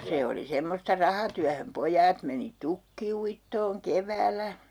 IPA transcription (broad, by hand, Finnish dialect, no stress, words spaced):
se oli semːostɑ rɑhɑtyæhøm pojˑɑːt meni tukːiuitːoːŋ keʋæːlˑæ